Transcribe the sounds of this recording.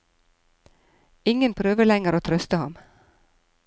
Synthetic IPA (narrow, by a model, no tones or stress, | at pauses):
ɪŋənpʰɾøːʋəlɛŋəɾoːt̪ʰɾœst̪əhɑm